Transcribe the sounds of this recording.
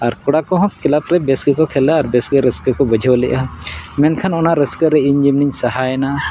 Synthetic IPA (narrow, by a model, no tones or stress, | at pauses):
aɾkɔɽakɔɦɔ̃kɛlapɾɛbɛsɡəkɔkʰɛlaːɾbɛsɡəɾəskəkɔbəd͡ʒʱɔlɛ̰ʔamɛnkʰanɔnaɾəskəɾɛiɲd͡ʒimniɲsəhajna